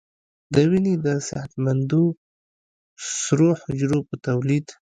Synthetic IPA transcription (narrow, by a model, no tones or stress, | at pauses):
d̪əwinid̪əsahat̪mand̪u | sɾohʊd͡ʒɾopət̪awlid̪